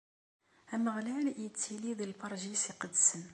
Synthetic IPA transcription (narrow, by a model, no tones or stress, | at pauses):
æməʁlæljət͡sːiliðəlfɑɾˤʒisiqəd̪sən